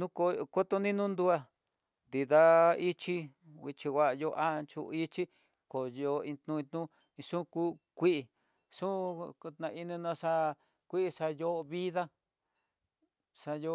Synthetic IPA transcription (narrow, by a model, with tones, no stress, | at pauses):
nũ˦ko˧ko˦t̪o˧nĩ˦nũ˦nd̪u˧a˧ | nd̪i˨ða˦i˦t͡ʃi˦ | i˧t͡ʃi˧wʷa˧jo˧ʔa˦˧t͡ʃṵ˧i˦t͡ʃi˦ | ko˨jo˧ĩ˧t̪nũ˧ĩ˧t̪nũ˦ | ĩ˧ʂũ˦kuː˦kʷi˦ʔi˧ | ʂũ˦˧t̪nã˧i˧nĩ˧nã˧ʂa˧ | kʷi˦ʔi˧ʂa˧jo˦˧βi˦ða˦ | ʂa˧jo˧